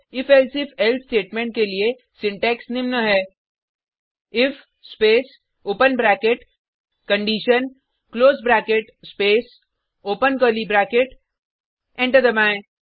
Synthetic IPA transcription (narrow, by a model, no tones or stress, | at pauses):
ɪfɛlsɪfʰɛlsʈeːʈmẽːɳʈ̚kelie | sɪ̃ɳʈɛːksnɪmnəɦɛː | ɪf | speːs | oːpənbɾæːkeʈ | kə̃ɳɖiːʃən | kloːzbɾɛːkeʈspeːs | oːpənkəːlibɾɛːkeʈ | ɛ̃ːɳʈəɾd̪əmãːẽ